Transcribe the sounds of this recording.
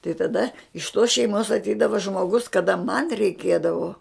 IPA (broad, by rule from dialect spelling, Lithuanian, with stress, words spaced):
tɐɪ tɐˈdɐ ɪʃ toːs ʃʲɛɪˈmoːs ɐtʲˈɛɪdɐʋɐ ʒmoːˈɡʊs kɐˈdɐ mɐn rʲɛɪˈkʲeːdɐʋoː